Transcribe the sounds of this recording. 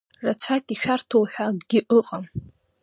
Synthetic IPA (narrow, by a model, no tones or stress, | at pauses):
rat͡ɕʷʰakʼiʃᶣartʰowħʷᶣaɡ̥ʲɪʔɨqʼam